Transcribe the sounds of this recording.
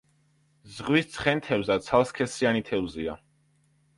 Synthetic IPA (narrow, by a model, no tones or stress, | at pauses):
zʁwist̪sʰχɛnt̪ʰɛvzat̪sʰalˠskʰɛsianit̪ʰɛvzia̰